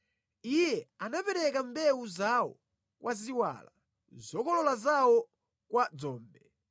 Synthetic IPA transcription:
ijɛanapɛɾɛkambɛuzawɔ̰ | kwʔaziwa̰ːla | zɔkɔlɔlazawɔ | kwad͡zɔːmbɛ

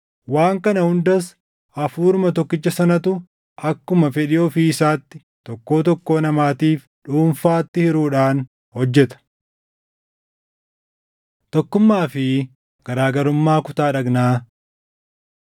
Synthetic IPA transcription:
waːŋkɐnɐhʊnd̪ɐs | ɐfuːɾmɐt̪ɔkːɪt͡ʃːɐsɐnɐt̪ʊ | ʔɐkːʊmɐfɛᶑɪɔːfisaːt̪ːɪ̥ | t̪ɔkːo̞ːt̪ɔkːo̞ːnɐmaːt̪iːf | ᶑuːnfaːt̪ːɪhɪɾuːᶑaːn | hɔd͡ʒːɛt̪ɐ̥ | t̪ɔkːʊmːaːfɪ | ɡ̥ɐɾaːɡɐɾʊmːaːkʊt̪aːᶑɐɡnaː

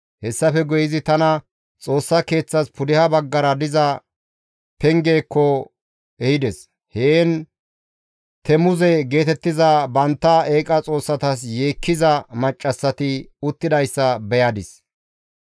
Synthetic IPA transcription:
hɛsːɐfɛɡɔjɪzɪt̪ɐnɐ | t͡sʼo̞ːsːɐke̞ːt͡sːɐspʰʊd̪ɪhɐbɐɡːɐɾɐd̪ɪzɐ | pɛŋɡeːkːɔ | ɛhɪd̪ɛs | heːn | t̪ʰɛmʊzɛɡe̞ːt̪ɛt̪ːɪzɐbɐnt̪ːɐeːkʼɐt͡sʼo̞ːsːɐt̪ɐs̬jeːkːɪzɐmɐt͡ʃʼːɐsːɐt̪ɪʊt̪ːɪd̪ɐjsːɐbɛjɐd̪ɪs

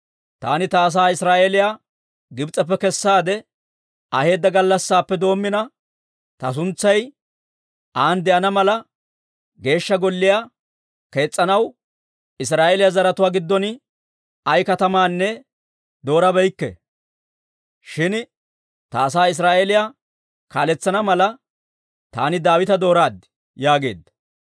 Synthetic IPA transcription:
t̪a̰ːnɪt̪ɐːs̬aːɪsɾaːʔeːlɪjaː | ɡɪbt͡sʼɐp̬ːɛkɛsːaːd̪ɛ | ɐhe̞ːd̪ːɐɡɐlːɐsːaːpːɛd̪o̞ːmːɪnɐ | t̪ɐs̬ʊnt͡sːɐj | ʔaːnd̪ɛʔɐnɐmɐlɐ | ɡe̞ːʃːɐɡɔlːɪjaː | ke̞ːt͡sʼːɐnɐw | ɪs̬ɾaːʔelɪjazɐɾɐt̪ʊwaːɡɪd̪ːɔn | ɐjkɐt̪ɐmaːnːɛ | d̪o̞ːɾɐbɛjkːɛ̰ | ʃɪn | t̪ɐːs̬aːɪs̬ɾaːʔelɪja | kaːlɛt͡sːɐnɐmɐlɐ | t̪aːnɪd̪aːwɪt̪ɐd̪o̞ːɾaːd̪ | jaːɡe̞̰ːd̪ːɐ̥

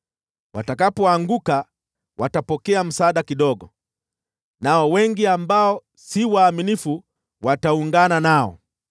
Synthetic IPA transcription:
watakapɔaŋɡuka | watapɔkɛam̩saːɗakiɗɔɡɔ | naɔwɛŋɡiambaɔ | siwaːminifu | watauŋɡananaɔ̰

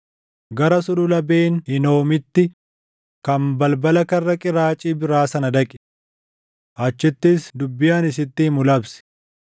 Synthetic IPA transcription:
ɡɐɾɐsʊlʊlɐbeːnhɪno̞ːmɪt̪ːɪ | kɐmbɐlbɐlɐkɐrːɐkʼɪɾaːt͡ʃʼiːbɪɾaːsɐnɐd̪ɐkʼɪ̥ | ʔɐt͡ʃːɪt̪ːɪsd̪ʊbːɪjaːnɪs̬ɪt̪ːɪhɪmʊlɐbsɪ̥

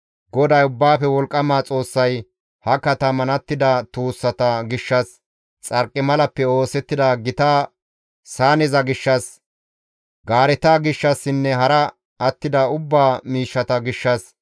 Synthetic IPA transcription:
ɡɔd̪ɐjʊbːaːfɛwɔlkʼːɐmaːt͡sʼo̞ːsːɐj | hɐkɐt̪ɐmɐnɐt̪ːɪd̪ɐt̪uːsːɐt̪ɐɡɪʃːɐs | t͡sʼɐɾkʼːɪmɐlɐpːɛo̞ːsɛt̪ːɪd̪aɡɪt̪aː | saːnɛzɐɡɪʃːɐs | ɡaːɾɛt̪aːɡɪʃːɐsːɪnːɛɦɐɾɐ | ɐt̪ːɪd̪ɐʊbːaːmiːʃːɐt̪ɐɡɪʃːɐs

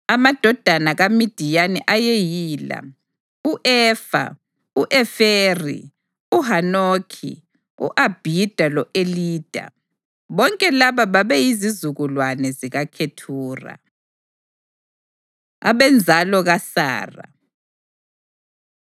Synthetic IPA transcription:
amad̥ʱɔd̥ʱanaɣamid̥ʱijanɛʔajejiːla̰ | uʔɛːfa̰ | uʔɛferḭ | uɦanoːkʰḭ | ṵʔab̥ʱid̥ʱalɔʔeliːd̥ʱa̰ | βɔŋkʼɛlaβaβaβɛjizizuɣulwanɛziɣakʰetʰuːra̰ | a̰βɛnd͡zʱalɔɣasa̰ːra̰

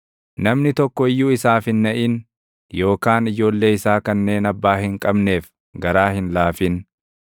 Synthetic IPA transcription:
nɐmnɪt̪ɔkːɔɪjːuːɪsaːfɪnːɐʔɪn | jo̞ːkaːnɪd͡ʒo̞ːlːe̞ːɪsaːkɐnːe̞ːnɐbːaːhɪŋkʼɐbne̞ːf | ɡɐɾaːhɪnlaːfɪn

